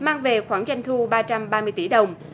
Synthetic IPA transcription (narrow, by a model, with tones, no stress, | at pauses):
maː˧ŋve˨˩xwaː˧˩ŋza˧jŋ̟t̪ʰu˧ɓaː˧t͡ɕa˧mɓaː˧mɨ˧əjt̪i˧˩ɗə˨˩wŋ͡m